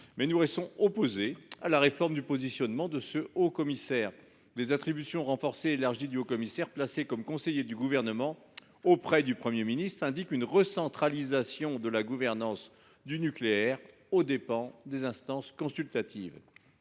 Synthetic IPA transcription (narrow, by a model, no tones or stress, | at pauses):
mɛnuʁɛst̪ɔ̃opozea̰laʁefɔʁmd̪ypozisjɔnmɑ̃d̪əsəokɔmisɛːʁ | d̪ezat̪χibysjɔ̃ʁɑ̃fɔʁseːlaʁʒid̪yokɔmisɛʁplasekɔmkɔ̃sejed̪yɡuvɛʁnəmɑ̃ | opχɛd̪ypχəmjeminist̪χɛ̃d̪ikynʁəsɑ̃t̪χalizasjɔ̃d̪əlaɡuvɛʁnɑ̃s | d̪ynykleɛʁ | od̪epɑ̃d̪ezɛ̃st̪ɑ̃skɔ̃sylt̪at̪ḭv